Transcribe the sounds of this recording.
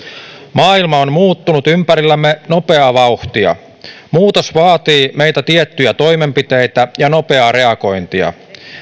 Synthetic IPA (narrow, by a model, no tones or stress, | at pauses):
mɑːilmɑonmuːt̪ːunut̪ympæɾilːæmːeno̞pe̞ɑʋɑuht̪iɑ̰ | muːt̪o̞sʋɑːt̪iːme̞jt̪æt̪iet̪ːyjæt̪o̞jme̞mpit̪e̞jt̪æjɑno̞pe̞ɑɾe̞ɑko̞jnt̪iɑ̰